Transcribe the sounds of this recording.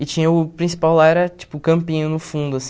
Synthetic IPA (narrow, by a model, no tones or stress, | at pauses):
ɪt͡ʃĩɲɐʊpɾĩsi̥pawlaɛɾɐt͡ʃi̥pʊkɐ̃mpĩɲɐ̃nʊfũnd̪ʊasĩ̥